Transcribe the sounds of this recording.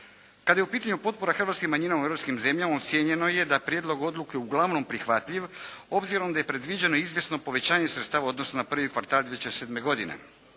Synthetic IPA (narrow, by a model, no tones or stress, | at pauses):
kad̪aje̞upiːt̪aɲupo̞t̪̚po̞ɾaxr̩ʋaːt̪skimaɲinaueɾopskimze̞mʎamaot̪sjeɲe̞no̞je̞d̪apɾjed̪lo̞ɡo̞d̪lˠukeeuɡlˠaʋno̞mpɾixʋat̪ʎiʋo̞bziɾo̞md̪aje̞pɾe̞d̪ʋid͡ʑe̞noizʋje̞sno̞po̞ʋe̞t͡ɕaːɲe̞sɾet̪st̪aːʋao̞d̪no̞snonapr̩ʋikʋaɾt̪aːld̪jeet͡ʃesed̪meɡo̞d̪inḛ